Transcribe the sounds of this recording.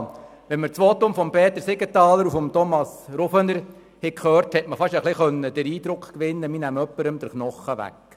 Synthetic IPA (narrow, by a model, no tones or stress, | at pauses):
ʋɛnməɾt͡sʋoːt̪ʊmfɔmpeːt̪əɾsɪɡətɑːləɾufɔmt̪ɔmɑsɾofənəɾ | hɛkχøːrthɛtməfɑʃəχlɪχœnːəd̥̪əɾiːd̪ɾʊkχkʋɪnːəminæmœpːəɾəmd̥̪əɾχnɔχəʋæ̰k